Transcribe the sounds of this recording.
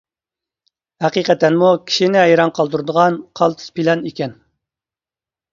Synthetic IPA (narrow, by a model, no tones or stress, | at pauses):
hæqiqɛt̪ːɛnmukʲʰi̥ʃinɪɦɛjɾɑŋqʰɑlˠd̪uɾɨd̪əʁɑnqʰɑlˠt̪ʰɨ̥spʰilɑnikʲɛn